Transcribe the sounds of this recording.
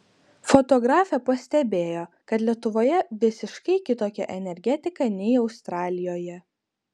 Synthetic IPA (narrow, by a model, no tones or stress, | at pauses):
fɔt̪ɔɡɾɑːfʲɛpɐsʲt̪ʲɛbʲeːjoː | kɐt̪lʲiɛt̪ʊʋoːjɛʋʲɪsʲɪʃkɐɪkʲɪt̪oːkʲɛʔɛnʲɛɾʲɡʲɛt̪ʲɪkɐˑnʲɛɪɒʊst̪ɾɑːlʲɪjoːjɛ